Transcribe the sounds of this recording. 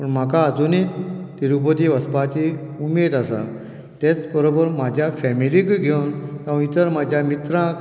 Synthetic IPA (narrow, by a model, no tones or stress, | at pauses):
pəɳm̤akaːd͡zunit̪t̪iɾupət̪iʋəspat͡ɕiumed̪asa̰ | t̪et͡sbəɾobəɾmad͡ʑʱjafɛmilikɡʱewnk̪aũit̪əɾmad͡ʑʱjamit̪ɾãk